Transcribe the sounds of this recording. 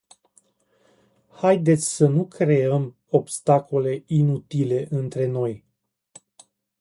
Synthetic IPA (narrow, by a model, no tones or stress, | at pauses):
hajd̪e̞t̪sʲsənukɾe̞əm | o̞bst̪ako̞le̞inut̪ile̞ʔɨnt̪ɾe̞no̞j